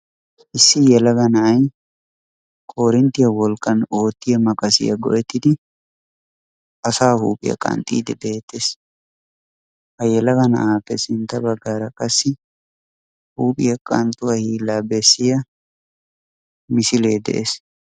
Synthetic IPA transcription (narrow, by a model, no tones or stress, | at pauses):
ʔɪsːɪjɛlɐɡɐnɐʔɐj | kʼo̞ːɾɪnt̪ɪjɐwɔlkʼːɐno̞ːt̪ːɪjɐmɐkʼɐsɪ̰jɐ̰ɡɔ̰ʔɛt̪ːɪd̪ɪ | ɐsaːhuːpʼɪ̰jɐ̰kʼɐ̰nt̪ʼḭːd̪ɪbeːt̪ːes | hɐjɛlɐɡɐnɐ̰ʔaːpːɛsɪnt̪ɐbɐɡaːɾɐkʼɐsːɪ | huːpʼɪjɐkʼɐnt̪ʼʊwɐhiːlːaːbɛsːɪjɐ | mɪsɪle̞ːd̪ɛ̰ʔes